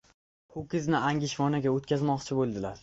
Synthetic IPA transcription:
hʊkʲɪznɪaŋʲɪʃvɒnaɡʲaot̪̚kʲʰazmɒqt͡ʃʰɪbolˠd̪ɪlaɾ

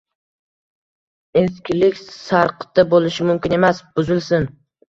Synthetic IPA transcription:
eskʲɪlɪkʲsaɾqt̪ːabolɪʃɪmʊmkʲɪne̞masb̥ʊzɪlsɪn

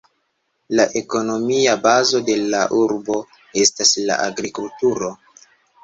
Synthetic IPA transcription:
laʔe̞ko̞no̞miabazo̞de̞laʔuɾbo̞ | e̞stasla̰ʔa̰ɡɾikultuɾo̞

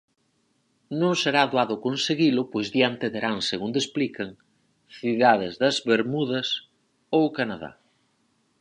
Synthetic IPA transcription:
nõŋseɾaðwaðʊkonseɣilʊpojzðjant̪eðeɾaŋseɣund̪esplikɐŋ | θiðaðezðɐzβeɾmuðɐs | owkanaða̰

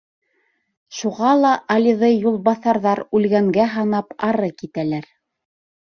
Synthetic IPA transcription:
ʃuʁɑlˠɑʔɑlʲiðɤjjulˠβɑθɑɾðɑɾʉlɡæŋɡæɦɑnɑpɑɾɤkit̪ælæɾ

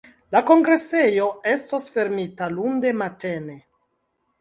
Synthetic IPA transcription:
lako̞ŋɡɾe̞se̞jo̞e̞stosfe̞ɾmitalunde̞mate̞ne̞

